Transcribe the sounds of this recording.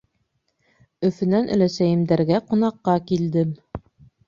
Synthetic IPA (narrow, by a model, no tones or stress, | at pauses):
ɵ̆fɘ̆nænʔɵ̆læsæjɘ̆md̪æɾɡæqŏnɑqːɑkild̪ɘm